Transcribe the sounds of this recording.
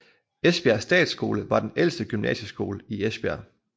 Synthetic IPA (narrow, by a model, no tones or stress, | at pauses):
esb̥eæɐsːd̥ɛ̰ːd̥sɡ̥o̝̰ːləʋɑ̈d̥enel̰sd̥əɡ̥ymnɛ̰ːɕəsɡ̥o̝ːləiesb̥eæ̰ɐ̰